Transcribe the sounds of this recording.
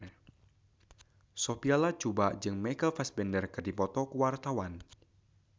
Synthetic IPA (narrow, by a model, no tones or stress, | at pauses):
sopialat͡ʃubaʔd͡ʒɨŋmɛkəlfɛsbɛndərkɨrdipɔt̪ɔkuwart̪awan